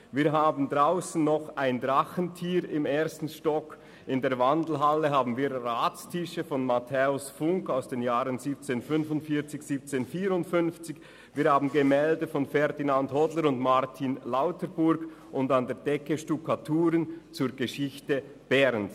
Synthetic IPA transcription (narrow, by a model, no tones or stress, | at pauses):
viːɐɦaːbn̩dʁaʊsn̩ːɔχaɪndʁaχən̩tʰiːɾɪmeːɐstn̩ʃtɔk | ɪndeːɐvandl̩ɦalːəɦaːbn̩viːɾraːt͡stʰɪʃəfɔnmatʰɛːʊsfʊŋkaʊsd̥eːnjaːʁənziːp̚t͡seːnfʏnvʊntfiːɐt͡sɪçz̥iːp̚t͡seːnfiːɾʊntfʏnft͡sɪç | viːɐhaːbn̩ɡəmɛːldəfɔnfɛɾdinandhɔdləɾʊndmaʁtʰinlaʊtəbʊɾɡ | ʔʊndandeːdɛkəʃtukʰatʰuːɾənt͡suːɐɡəʃɪçtə | b̥ɛɾns